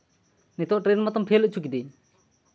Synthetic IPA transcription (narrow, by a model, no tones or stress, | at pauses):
nit̪ɔʔʈɾɛnmɔt̪ɔmpʰɛləʔ̚t͡ʃʰukid̪i